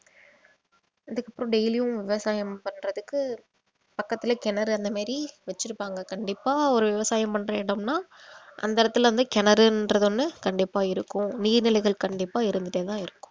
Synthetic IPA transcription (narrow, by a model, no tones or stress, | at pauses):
ɐðɯkːɐpːɯɾõːɖɛjlɪjʊ̃ʋɪʋɐsaːjɐmpɐɳɾɐðɯkːɯ | pɐkːɐt̪ːɪlɐkɛnɐɾɯɐnd̪ɐmaːɾiʋɛt͡ʃːɪɾɯpːaːŋɡɐkɐɳɖɪpːaːɔɾɯʋɪʋɐsaːjɐmpɐɳːɾɐʋeːɽɐmnaːʔɐ̰nd̪ɐɾɐt̪ːɪlʋɐnd̪ɯkɛnɐɾɯndɾɐðɯnːɯkɐɳɖɪpːaːɪɾɯkːʊ̃niːɾnɪlɐɪɣɐɭkɐɳɖɪpːaːɪɾɯnd̪ɯðeːt̪ãːɪɾɯkːʊ̥̃m